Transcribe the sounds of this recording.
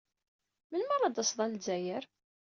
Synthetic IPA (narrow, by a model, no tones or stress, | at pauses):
mənməɾˤɑd̪əsðˤɑlzæjəɾ